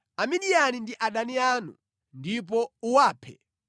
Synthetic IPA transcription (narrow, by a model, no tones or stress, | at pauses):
amiɗianindiʔaɗanianṵ | ndip̬ɔuwaːpʰɛ̰